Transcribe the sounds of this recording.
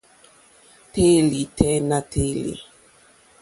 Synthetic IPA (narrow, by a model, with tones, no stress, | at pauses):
te˦li˨tɛ˦na˦te˦lḭ˨